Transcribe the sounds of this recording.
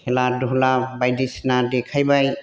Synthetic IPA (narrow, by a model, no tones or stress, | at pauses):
hɛladɔɦlabajdisnadɛkʰajbaj